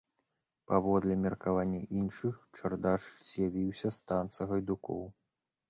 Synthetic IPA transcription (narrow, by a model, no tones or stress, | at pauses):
pavɔd̪lʲɛmʲɛrkavanʲːɐʔinʂɨxt͡ʂɐrd̪aʂz̥ʲjavʲiwsʲɐst̪ant̪sɐɣɐjd̪ukɔ̰w